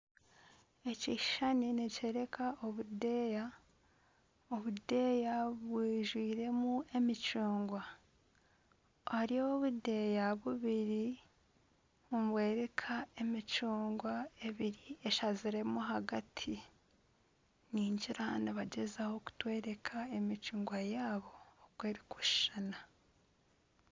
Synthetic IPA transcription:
e̞ci̥ʃaninece̞ːɾe̞kʰaʔo̞βudeːja | oβude̞jaβwiːʒwiːɾe̞mue̞mit͡ʃuːŋɡwa | aɾio̞βude̞jaβuβiɾi | omβwe̞ːɾe̞kʰae̞mit͡ʃuːŋɡwae̞βiɾieʃaziɾe̞muɦaɡatʰi | niːɲɟiɾaniβaɟezaho̞ku̥twe̞ːɾe̞kʰae̞mit͡ʃuːŋɡwajaːβo̞ːkweːɾikʰu̥ʃʃana

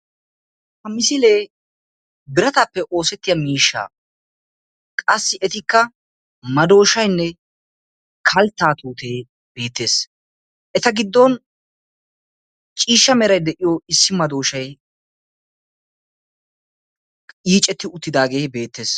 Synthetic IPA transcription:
hɐmɪsɪleː | bɪɾɐt̪ɐpːɛʔo̞ːsɛt̪ːɪjɐmiːʃːa̰ː | kʼɐsːɪʔɛt̪ɪkːɐ | mɐd̪o̞ːʃɐjnːɛ | kʰɐlt̪ːaːt̪uːt̪e̞ː | be̞ːt̪ːe̞ːs | ʔɛt̪ɐɡɪd̪ːɔn | t͡ʃʼiːʃːɐmɛɾɐjd̪ɛʔɪjoɪsːɪmɐd̪o̞ːʃɐj | iːt͡ʃʼɛt̪ːɪʊt̪ːɪd̪aːɡeːbe̞ːt̪ːe̞ːs

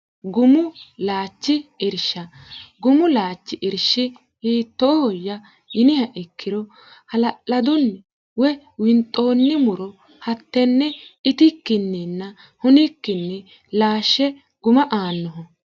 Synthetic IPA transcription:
ɡʊmʊlaːt͡ʃːɪɪɾʃɐɡʊmʊlaːt͡ʃːɪʔɪɾʃɪ | hiːt̪ːoːhɔjːɐ | jɪnɪhɐʔɪkːɪɾɔ | hɐlɐʔɐd̪ɔnːɛ | wɛ | wɪnt̪ʼo̞ːnːɪmʊɾɔ | hɐt̪ːɛnːɛɪt̪ɪkːɪnːɛnːɐ | hʊnɪkːɪnːɛ | laːʃːɛ | ɡ̥ʊmɐʔaːnːɔɦɔ

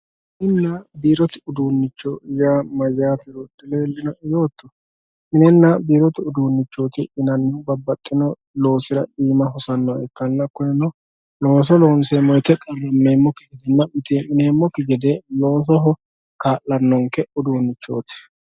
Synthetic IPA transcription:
ʔɪnːɐbiːɾɔt̪ɪʊd̪uːnːɪt͡ʃːɔjaːmɐjːaːt̪ɪɾɔd̪ːɪleːlːɪnɔjo̞ːt̪ːɔ̥ | mɪnɛnːɐbiːɾɔt̪ɪʊd̪uːnːɪt͡ʃːo̞ːt̪ɪʔɪnɐnːɔbɐbːɐt̪ʼːɪnɔ | lo̞ːsɪɾɐ̰ɗiːmɐɦɔsɐnːɔɛ̰kːɐnːɐkːɔnɛnɔ | lo̞ːs̬ɔlo̞ːnseːmːɔjt̪ɛk̪ʼɐrːɐmːeːmːɔkːɪɡɛd̪ɪnːɐmɪt̪imɪneːmːɔkːɪɡɛd̪ɛlo̞ːs̬ɔɦɔ | kaːlːɐnːɔŋkɛʊd̪uːnːɪt͡ʃːo̞̰ːt̪ɪ̥

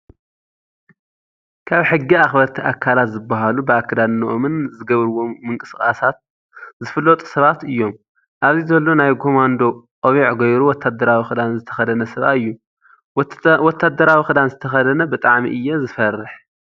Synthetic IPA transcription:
kʰaβħɨɡːiaxbɐɾt̪ʰiʔakʰalat̪zɨbːaɦalubɨakʰːɨd̪annuʔomɨnzɨɡɐβɾɨwo̞ːɨŋkʼɨskʼasat̪̚ | zɨfɨlːot̪ʼu̥sɐβat̪ɨjːo̞m | ʔaβzizɐlːo̞najkʰo̞mand̪o̞qʼoβiʕɡojɾuwɔt̪ʰːad̪ɐɾawixɨd̪anzɨt̪ʰɐxɐd̪ɐnɐsɐβʔa̰ɨjːu | wɔt̪ʰːad̪ɐɾawixɨd̪anzɨt̪ʰɐxɐd̪ɐnɐbɨt̪ʼaʕmḭʔɨjːɛzɨfɐrːɨħ

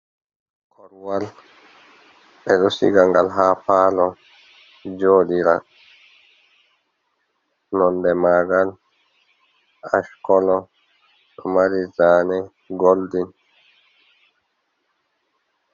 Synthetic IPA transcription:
kʰɔɾwal | ɓɛɗɔsḭɡaŋɡalɦaːpaːlɔ | d͡ʒoːɗiɾa̰ | nɔndɛmaːɡal | a̰ʃkɔlɔ | ɗɔmaɾizaːnɛ | ɡoldin

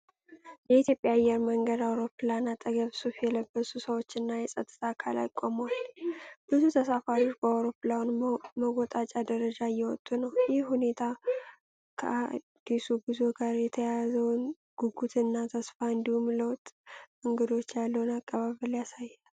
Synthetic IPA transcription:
jɛit̪ʰjo̞pʼjajːɛɾməŋɡəd̪awɾo̞pɨlanat̪ʼəɡəβsufjɛləbːəsusəwo̞t͡ʃːɨnːajɛsʼət̪ʼːɨt̪ʰakʰala̰kʼoməwalb̥ɨzut̪ʰəsafaɾio̞t͡ʃːbəawɾopɨlawnməɡot̪ʼat͡ʃʼad̪əɾəd͡ʒajːɛwɔt̪ʼːunəwjɪhhune̞t̪ʰa | kʰə̰ʔa̰d̪̥ːisubɨzo̞ɡaɾjɛt̪ʰəjazəwn | ɡ̥uɡut̪ʰɨnːat̪ʰəsfaɨnd̪ihumləwt̪ʼ | ɨŋɡɨd̪o̞t͡ʃːjalːəwnakʼːəβaβəljasajːɛl

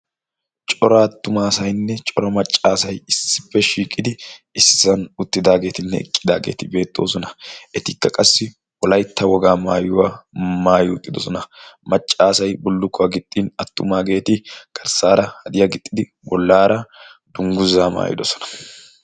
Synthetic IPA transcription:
t͡ʃʼɔɾɐːt̪ːʊmaːsɐjnːɛt͡ʃʼɔɾɐmɐt͡ʃʼːaːsɐjɪsːɪ̥pːɛʃiːkʼːɪd̪ɪɪsːɪsɐnʊt̪ːɪd̪aːɡe̞ːt̪ɪnːɛ̰ɛkʼːɪd̪aːɡe̞̰ːt̪ɪbe̞ːt̪ʼːo̞̰ːsɔnɐɛt̪ɪkːɐkʼɐsːɪ | wɔlɐjt̪ːɐwɔɡaːmaːjʊwaːmaːjʊʊt̪ʼːɪd̪ɔsɔnɐmɐt͡ʃʼːaːsɐjbʊlːʊkːʊɡɪt̪ʼːinɐt̪ːʊmaːɡe̞ːt̪ɪɡ̥ɐɾsaːɾɐhɐd̪ɪjaɡɪt̪ʼːɪd̪ɪ | wɔlːaːɾɐd̪̥ʊŋɡʊzaːma̰ːjɪ̰d̪ɔsɔ̥nɐ̥

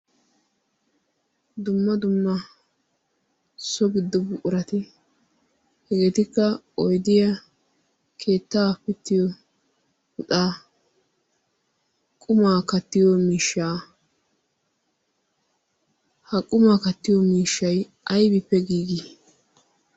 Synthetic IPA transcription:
d̪ʊmːɐd̪ʊmːɐ | sɔɡɪd̪ːɔbʊʔʊɾɐt̪ɪ | hɛɡet̪ɪkːɐ | ɔjd̪ɪjɐ | kʰe̞ːt̪ːaːpɪt̪ːɪjɔ | ʊtaː | kʼʊmaːkɐt̪ːɪjɔmiːʃːaː | hɐkʼʊmaːkɐt̪ːɪjɔmiːʃːɐj | ʔɐjbɪpːɛɡiːɡi

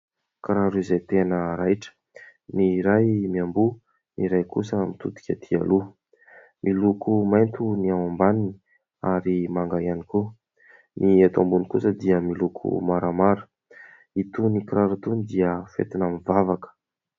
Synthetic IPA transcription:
kɾaɾuizajt̪enəɾajʈ͡ʂə̥ | niɾajmiambu | niɾajkusəmit̪ut̪u̥kʲat̪ʰia̰lu | mʔilukumajnt̪uniawambanini | aɾimaŋɡaianiku | niat̪ambunikusəd̪iəmilukʰṵmaɾamaɾu̥ | it̪unikɾaɾut̪unid̪iəfḛt̪inamivavakə̥

